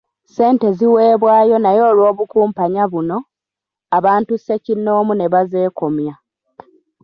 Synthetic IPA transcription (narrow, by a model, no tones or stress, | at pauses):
se̞ːnte̞ziwe̞ːβwaːjo̞najo̞ːlwo̞ːβukuːmpaɲaβuno̞ | aβaːntuse̞cinːo̞ːmune̞βaze̞ːko̞mja